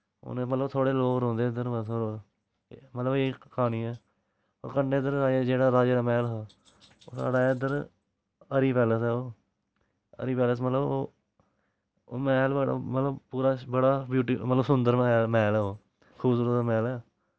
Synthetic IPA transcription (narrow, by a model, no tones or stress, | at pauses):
o̰nemət̪ləbt̪ʰoːɽeːloːkɾõːnd̪eːd̪əɾbəsoɾ | mət̪ləbeːkʰaːñiːɛː | ɔ̰ːɾkəɳɖeːd̪əɾaːd͡ʒeːd͡ʒeːɽaːɾaːd͡ʒeːɾaːmɛːlɦaː | o̰ːsa̰ːɖaːd̪əɾ | əɾiːpɛːləsɛːoː | ə̰ɾiːpɛːləs̬mət̪ləboː | mɛːlbəɽa̰mət̪ləbpuːɾaːbəɽaːbjuːʈiːmət̪ləbsʊnd̪əɾmɛːmɛːlɛːoː | kʰuːbsuːɾət̪amɛːlɛː